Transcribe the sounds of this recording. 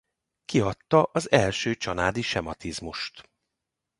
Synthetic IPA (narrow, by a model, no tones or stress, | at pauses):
kiɒt̪ːɒʔɒzɛlʃøːt͡ʃɒlaːd̪iʃɛmɒt̪izmuʃt̪